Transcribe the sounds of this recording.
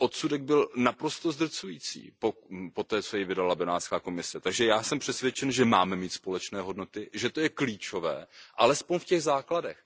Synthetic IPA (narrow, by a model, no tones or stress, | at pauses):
ʔot̪sudɛɡ̚bɪlnapɾo̞st̪o̞zd̪r̩t͡sujiːt͡sḭːpopo̞t̪ɛːt͡so̞jɪvɪdalabɪnaːt̪skaːko̞mɪsɛt̪aɡʒɛjaːsɛmpr̥ɛsvʲjɛt͡ʃɛnʒɛmaːmɛmiːt̪spo̞lɛt͡ʃnɛːɦo̞dno̞t̪ɪʒɛt̪o̞jɛkliːt͡ʃo̞vɛ̰ːʔalɛspo̞ɲfcɛɣzaːkladɛx